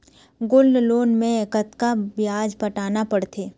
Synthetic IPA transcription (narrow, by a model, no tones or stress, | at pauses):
ɡʊlloːnmẽekət̪kabɪjaːd͡ʒpəʈaːnapɐɽt̪ʰeː